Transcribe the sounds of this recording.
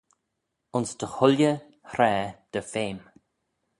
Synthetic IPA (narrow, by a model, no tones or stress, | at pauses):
ʊnsd̪əhʊljə | hɾɛːd̪̥əfeːm